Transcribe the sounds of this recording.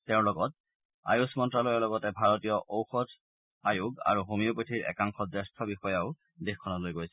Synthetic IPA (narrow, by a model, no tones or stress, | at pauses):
tɛʊ̃lɔɡɔt̚ | a̰jusmɔntɹalɔjɛlɔɡɔtɛbʱaɹɔtijɔʔowxɔt | ajuɡa̰ɹuɦomiopotʰiɹʔɛ̰kaŋxɔdɛstʰɔbixɔjaʊ | dexkʰːɔnalojɡojsɛ